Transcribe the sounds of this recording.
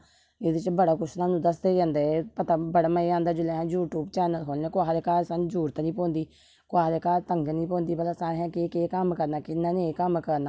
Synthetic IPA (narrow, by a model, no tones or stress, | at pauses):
ɪdɪt͡ʃbəɽaːkʊʃʰnãːnũːd̪əsd̪eːd͡ʒãːnd̪eːpət̪aːbəɽaːməiãːnd̪aːd͡ʒʊleːɦɛ̃ːd͡ʒuːʈuːbt͡ʃɛːnəlkʰoːlnẽːkʊaːɦd̪eːkaːlsand͡ʒuːɾt̪anĩːpɔ̃ːnd̪iː | kʊaːɦd̪eːkaːlt̪əŋɡnĩːpɔ̃ːnd̪iːbəlaːsaːɾeːɦɛ̃ːkeːkeːkəmkəɾnaːkɪnːãːneːkəmkəɾnaː